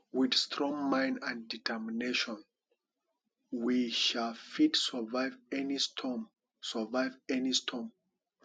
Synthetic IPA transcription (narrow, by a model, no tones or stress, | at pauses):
widstʰɹɔ̃ŋmãj̃ndãnditʰɛmineʃɔ̃n | wiʃalfitsə˞vajvɛnistʰɔm | səvaɪvɛnistʰɔm